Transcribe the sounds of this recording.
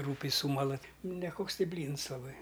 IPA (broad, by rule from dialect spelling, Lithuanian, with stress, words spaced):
ˈruːpʲɛɪ ˈsuːmɐlˠɐ ˈtʲɪ nʲɛˈkoːks ˈtʲɪ ˈbʲlʲiːns lˠɐˈbɐɪ